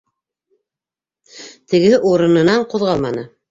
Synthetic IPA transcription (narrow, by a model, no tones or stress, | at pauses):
t̪ɘ̆ɡɘʔuɾɤ̆nɤ̆nɑɴqŏðʁɑlˠmɑnɤ